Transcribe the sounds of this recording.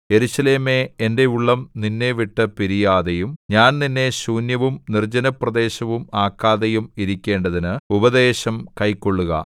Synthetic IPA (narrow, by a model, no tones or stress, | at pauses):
e̞ɾusɐle̞ːme̞ende̞uɭːɐmninːe̞ʋiʈːɨpiɾijaːðejumɲaːnninːe̞ɕuːnjɐʋumnird͡ʑɐnɐprɐd̪e̞ːɕɐʋumaːkːaːðejumiɾikʲːe̞ːɳɖɐðinɨubɐðe̞ːɕɐmkɐjko̞ɭːuɣɐ̰